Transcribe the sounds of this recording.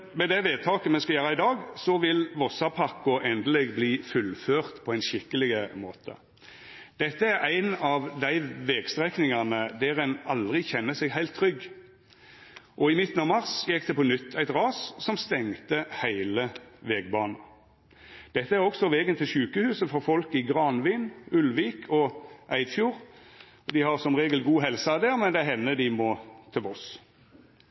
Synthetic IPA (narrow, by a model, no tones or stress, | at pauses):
mɛd̪æʋeːd̪̚t̪ʰɑːkəmɛnskɑljøːɾɑɪd̪ɑːɡsɔʋɪlʋɔsɑpʰɑkːʊʔɛnd̪əlɛɡbliːfʉlføːʁt̪pʰɔæɪnʃɪkːəlɪɡəmoːt̪ʰə̰ | d̪̥ɛt̪ːəæɾæɪnɑʋd̪æɪʋɛɡst̪ʁɛknɪŋɑnəd̪ɛɾɛnɑld̪ʁɪçɛnːəsɛɡɦæɪlt̪ʰːɾʏɡː | ʔɔɪmɪt̪ːn̩ɑʋmɑʁsjɛkːd̪ɛpɔnʏt̪ʰːæɪt̪ʁɑːssɔmst̪ɛŋt̪əhæɪləʋɛːɡ̚bɑːnɑ | d̪̥ɛt̪ːəæʁɔɡsɔʋɛːɡənt̪ʰɪlʃʉːkəhʉːsəfɔɾfɔlkɪɡʁɑnʋiːnʉlʋiːkʰɔʔæɪd̪fjuːʁ | ɔd̪ɪhɑʁsɔmʁeːɡəlɡuːɦɛlsɑːd̪eːʁmɛnd̪ɛæɦɛnːəd̪ɪmɔt̪ʰɪʋɔs